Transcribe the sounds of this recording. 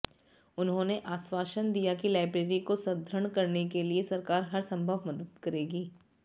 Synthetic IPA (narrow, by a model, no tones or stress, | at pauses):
ʊnɦõːneʔaːswaːʃənd̪ijakilaːɪbɾeːɾikosɐd̪ʱɾəɳ̃kɐɾnekeliesɐɾkaːɾɦɐɾsɐ̃mbʱəʋmɐd̪əd̪kɐɾeːɡiː